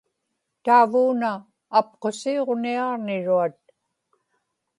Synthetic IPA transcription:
t̪aːvuːnaː | p̚qo̞sio̞ʁniɑʁnɪɻuat̪̚

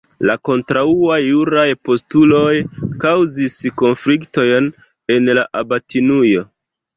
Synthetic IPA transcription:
lako̞ntɾauajːuɾajpo̞stulo̞jkawzisko̞nflikto̞jn | e̞nlaʔabatinujo̞

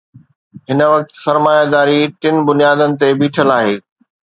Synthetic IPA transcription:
ɦɪnəʋɐk̚t̪sɐɾmaːjad̪aːɾiʈɪn̆bʊnijaːd̪ənɪ̆t̪ebiːʈʰəlaːɦeː

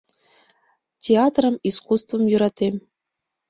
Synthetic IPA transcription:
tʲeɑt̪rɤ̆miskust̪vɤ̆mjyɾɑt̪ʲem

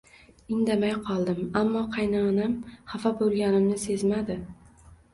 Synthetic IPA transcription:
ɪŋd̪amajqʰɒlˠd̪ɪmamːɒqʰɑjnanamhafabolˠɡʲanɪmnɪse̞zmad̪ɪ

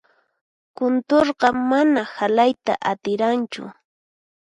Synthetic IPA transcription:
kʊnt̪oɾɢɑmːanahalajt̪a̰ʔat̪ɪɾant͡ʃʊ̰

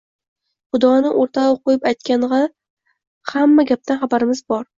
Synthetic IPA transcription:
χʊd̪ɒnɪʔoɾt̪ʰaoqojɪpajt̪̚kʲʰanʁɑ | hamːaɡʲap̚t̪ʰanχabaɾɪmɪzbɒɾ

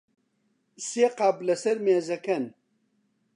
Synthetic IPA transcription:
seːqablɐsɐɾmeːzɐkʰɐn

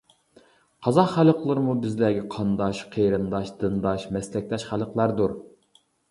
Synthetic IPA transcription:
qʰɑzɑχːælˠəqlˠɨɾmubɪzlæːɡʲɛqʰɑnd̪ɑʃqʰejɾɨnd̪ɑʃd̪ɨnd̪ɑʃmɛslɛk̚ʲt̪ɛʃχælˠəqlˠɑɾd̪uɾ

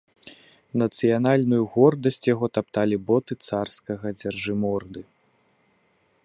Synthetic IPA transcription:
nɐt̪sɨjanalʲnujuɣɔrd̪ɐsʲt͡sʲjaɣɔt̪ap̚t̪alʲibɔt̪ɨt̪sarskɐɣɐd͡zʲarʐɨmɔrd̪ɨ

